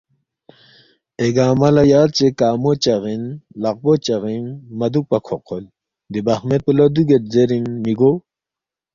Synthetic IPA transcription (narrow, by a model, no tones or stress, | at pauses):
eɡaːmɐlɐjaːlt͡ɕekaːmot͡ɕɐʁinlɐq̚bot͡ɕɐʁinmɐd̪uk̚pɐkʰoqʰol | d̪ibɐχmepulod̪uɡet̪̚zeɾinːiɡo